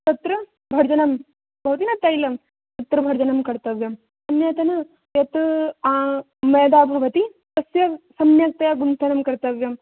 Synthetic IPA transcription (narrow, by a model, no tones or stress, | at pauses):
t̪ɐt̪ɾɐ | bʱɐɾd͡ʒɐnɐm | bʱɐʋɐt̪inɐt̪ːɐjlɐm | t̪ɐt̪ɾɐbʱɐɾd͡ʒɐnɐmkɐɾt̪ɐʋjɐm | sɐmjɐt̪ɐnɐ | jɐt̪aː | mɐːd̪aːbʱɐʋɐt̪i | t̪ɐsjɐsɐmjɐk̚t̪ɐjaɡunsʰɐnɐmkɐɾt̪ɐʋjɐm